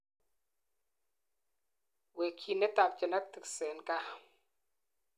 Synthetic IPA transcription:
we˨kʰːi˨ne˦ta˨p̚t͡ʃɪ˨na˦k̚t̪ɨ˨ksɛ˨nka˦

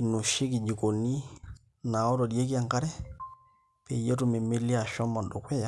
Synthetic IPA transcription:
i˨no˨ʃi˦ki˨d͡ʒi˨ko˨ni˦ | na˨ɔ˦to˨dje˦ki˦a˦˨ŋka˦ɾɛ˦ | pe˨je˦tu˦me˨me˦li˦a˨ʃɔ˦ma˨ndo˨kwɛ˦ja˦

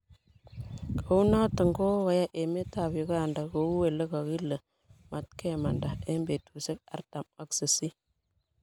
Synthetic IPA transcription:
kʰo˨wu˦na˦tə˨ŋɡo˦wa˨ja˦ʔe˨me˦ta˨wi˨ɡa˦˨nda˨ɡo˨u˦we˨lə˦ɡa˨ɡi˦lːə˨ | ma˨tke˦ma˨nda˨e˦mbe˨tʰu˨se˦k̚a̰˨ɾta˨ma˦ksə˨si˦

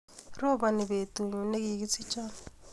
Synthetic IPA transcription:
rɔ˦ba˨nɪ˨be˨tʼu˨ɲ˨ne˦ki˦k̬i˦t͡sʰi˦t͡ʃʼaːn

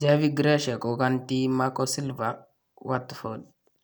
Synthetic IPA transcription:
d͡ʒavi˦ɡɾa˦ʃa˨kʼɔ˨ka˦nt̪i˦makʼɔsi˦lva | wat̪ːfo˨d

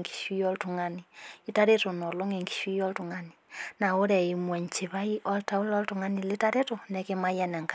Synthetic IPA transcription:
ŋɡi̥˨ʃwiɔ˦ltuŋaniita˦ɾeto˨nɔ˨lo˦ŋe˨ŋɡi̥ʃwi˦jɔ˦ltuŋanina˨o˦ɾɛ˨imwɛ˨ɲt͡ʃi˨βa˦i˦ʔɔ˦lta˦u˦lɔltuŋa˦ni˨letaɾe˦tonɛke˦ma˦janɛ˨ŋka˨

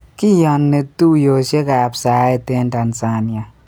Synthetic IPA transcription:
ki˦jɔ˨nːe˨tu˦jo˨ʃe˦ka˨psa˨˦e˦˨te˦n˦ta˨nsa˦n˨a˨

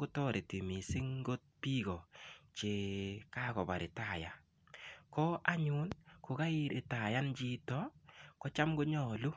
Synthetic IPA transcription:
ɡʊ˦tɔ˦ɾe˨ti˨mi˨sɪ˦ŋɡo˦t̚pi˦ɣɔ˨t͡ʃe˨ka˦kɔ˨ba̰˨ɾɪ˨ta˨ja̰˨ | kɔ˦ʔa˦ɲʊ˦nkʊ˨ɡa˦i˦ɾʔɪ˨ta˨ja˦nt͡ʃi˦tɔ˦kɔ˦t͡ʃa˦mɡʊ˦ɲɔ˦˨lu˦

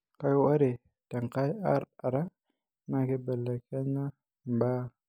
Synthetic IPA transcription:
ka˦jwa˦ɾe˨ | ta˨ŋka˦ja̰˦ɾa˨ɾa˦ | na˦˨ke˦ba˨lːa˨kʰe˦ɲa˦ | mba˦

